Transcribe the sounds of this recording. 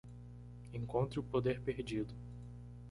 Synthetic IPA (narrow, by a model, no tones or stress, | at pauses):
ẽŋkõnt̪ɾɪʊpod̪eɾpeɾd͡ʒid̪ʊ